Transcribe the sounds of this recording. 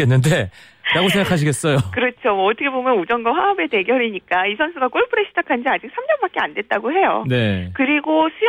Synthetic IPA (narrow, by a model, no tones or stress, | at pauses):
enːɯnde̞ | ɾaɡosʰe̞ŋɡakʰaɕ̬ʰiɡe̞ts͈ʌjokɯɾʌt͡ɕʰomwʌːtʰʌkʰebomjʌnud͡ʑʌnɡʌɸwaʌbe̞te̞ɡjʌɾiɲik͈aisʰʌnsʰuɡak͈oɭpʰɯɾeɕ͈ʰid͡ʑakʰand͡ʑiad͡ʑik̚sʰamd͡ʑʌmbak̚k͈e̞andwe̞t̚t͈aɡoɦe̞jo̰ne̞kɯɾiɡosʰu